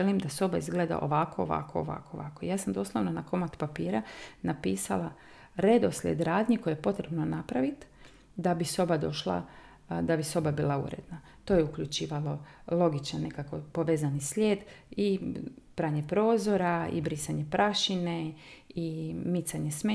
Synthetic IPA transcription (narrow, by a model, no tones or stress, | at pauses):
elimd̪aso̞baizɡleːd̪a̰ʔo̞̰ʋakoo̰ʋa̰koo̰ʋa̰ːko̞ʋa̰ːkoijaːsamd̪o̞slˠoʋnonako̞mat̪papiːɾanapiːsalˠa | ɾe̞d̪oslʲḛd̪ɾaːd̪ɲiko̞jejepo̞t̪ɾe̞bnonapɾaʋit̪ | d̪abiso̞bad̪o̞̰ʃlˠa̰ | d̪abiso̞babiːlˠaṵɾḛd̪na | t̪oːjeukʎut͡ʃiːʋalˠo̞lˠo̞ɡit͡ʃanːe̞kakopo̞ʋeːzanislʲeːd̪ipɾaːɲe̞pɾo̞ːzo̞ɾaḭbɾisaɲe̞pɾʔaʃineimit̪saɲesme